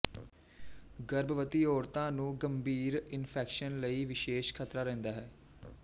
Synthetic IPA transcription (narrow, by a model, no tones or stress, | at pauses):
ɡəɾbəʋət̪iːɔːɾt̪ãːnũːɡəmbʱiːɾɪnpʰɛːkʃənləiːʋɪʃeːʃkʰət̪ɾaːɾɛ̃ːnd̪aːɦɛː